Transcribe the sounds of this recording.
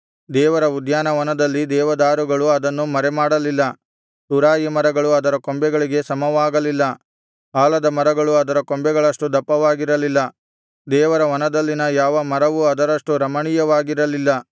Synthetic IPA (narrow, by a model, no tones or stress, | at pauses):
d̪ɛːʋɐɾɐud̪jaːnɐʋɐnɐd̪ɐlːid̪ɛːʋɐd̪aːɾuɡɐɭuɐd̪ɐnːumɐɾɛmaːɽɐlilːɐ | t̪uɾaːjimɐɾɐɡɐɭuɐd̪ɐɾɐkombɛɡɐɭiɡe̞sɐmɐʋaːɡɐlilːɐ | aːlɐd̪ɐmɐɾɐɡɐɭuɐd̪ɐɾɐkombɛɡɐɭɐʂʈud̪ɐpːɐʋaːɡiɾɐlilːɐ | d̪ɛːʋɐɾɐʋɐnɐd̪ɐlːinɐjaːʋɐmɐɾɐʋuɐd̪ɐɾɐʂʈuɾɐmɐɳiːjɐʋaːɡiɾɐlilːɐ